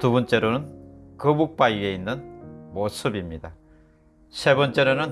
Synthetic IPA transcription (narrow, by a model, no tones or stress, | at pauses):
tubʌnt͡ɕ͈e̞ɾonɯnkɯbuk̚p͈aie̞inːɯnmosʰɯbimɲida | sʰe̞bʌnt͡ɕ͈e̞ɾonɯn